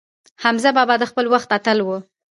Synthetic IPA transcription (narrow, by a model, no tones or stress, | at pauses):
hamzabɑbɑd̪əxpəlwaxt̪at̪əlwə